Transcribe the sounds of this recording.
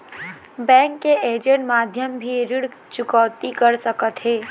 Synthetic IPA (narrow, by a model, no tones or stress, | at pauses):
bɛ̃ːŋkːeeːd͡ʒə̃ɳʈmaːd̪ʱjəmbʱiɾɪɽt͡ʃʊkɔwt̪ikəɾsəkət̪ɦeː